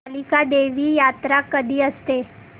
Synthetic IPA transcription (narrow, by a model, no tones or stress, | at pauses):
likaɖeʋiːjat̪ɾakəd̪ʱiːəst̪e